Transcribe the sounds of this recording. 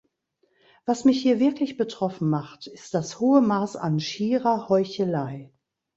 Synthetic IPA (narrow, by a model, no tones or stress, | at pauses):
v̥asmɪçhiːɐvɪɐklɪçb̥ətʁ̥ɔfn̩maχtɪst̚d̥ashoːəmaːsa̰nʃiːʁɐhɔʏçəlaɪ